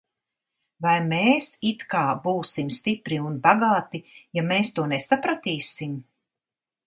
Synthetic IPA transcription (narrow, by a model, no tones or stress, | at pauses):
vajmeːsit̪kaːbuːsimst̪ipɾiunbaɡaːt̪ijameːst̪uɔnesapɾat̪iːsim